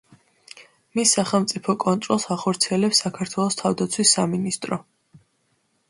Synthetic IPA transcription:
misːaχɛlˠmt̪sʼipʰɔkʼɔnt̪ʼɾɔlˠsaχɔɾt̪sʰiɛlɛpsːakʰaɾt̪ʰwɛlˠɔst̪ʰavd̪at̪sʰwisːaminist̪ʼɾɔ

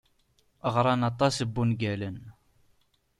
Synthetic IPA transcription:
əʁɾˤɑnɑt̪ˤɑsəbːunɡælən

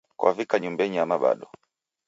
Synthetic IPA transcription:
kwʔavikaɲumbɛɲiamaɓa̰ɗɔ

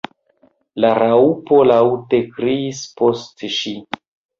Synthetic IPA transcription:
laɾaupo̞lawte̞kɾiːspostʃi

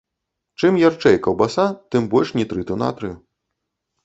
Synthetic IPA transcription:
t͡ʂɨmjart͡ʂɛjkɐwbasat̪ɨmbɔlʲʂnʲit̪ɾɨt̪ɨwna̰t̪ɾɨju

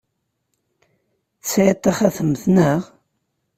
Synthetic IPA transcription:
θsʕit̪ˤːɑχaθəmθnəʁ

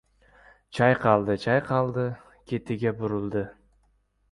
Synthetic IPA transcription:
t͡ʃʰɑjqʰɑlˠd̪ɨt͡ʃʰɑjqʰɑlˠd̪ɪ | kʲʰe̞t̪ʰɪɡʲabʊɾʊlˠd̪ɨ

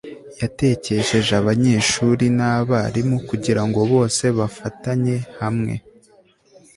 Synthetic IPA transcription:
jate̞ce̞ʃe̞ʒaβaɲe̞ːʃuɾinaβaɾimukuɟiɾaŋɡo̞βo̞ːse̞βafataɲe̞hamŋe̞̰

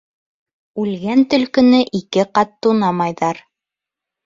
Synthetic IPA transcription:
ʉlɡænt̪ɵ̆lkɵ̆nɘʔikɘqɑt̪ːunɑmɑjðɑɾ

